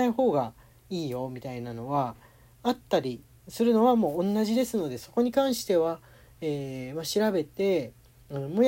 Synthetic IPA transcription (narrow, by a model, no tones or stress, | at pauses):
aiho̞ːɡa | iːjo̞mʲit̪ainano̞βa | at̪ːaɾʲi | sɨɾɯ̟no̞βamõ̞ːnːaʑid̪e̞sɨno̞d̪e̞so̞ko̞ɲ̟ikãɰ̃ɕi̥t̪e̞β̞a | eːmaɕiɾabe̞t̪e̞ | ɯ̃mo